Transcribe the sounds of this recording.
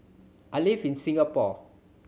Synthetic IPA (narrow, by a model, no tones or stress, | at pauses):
ʔalivinsĩŋɡapɔ